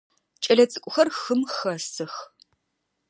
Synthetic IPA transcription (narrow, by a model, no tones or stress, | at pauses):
t͡ʃʼɐɮɐt͡sʼɨkʷʼʊxɐrxɨmxɐsɨx